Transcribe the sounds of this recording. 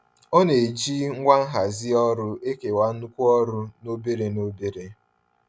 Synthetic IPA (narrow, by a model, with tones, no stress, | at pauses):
o˦ne˨d͡ʒi˦ŋ̩˦ɡʷa˦ŋ̩˦ɦa˨zɪ˦ɔ˦ɾʊ˦e˦ke˨wa˦n̩˦u˦kʷu˦ɔ˦ɾʊ˦no˦be˦ɾe˨no˦be˦ɾe˨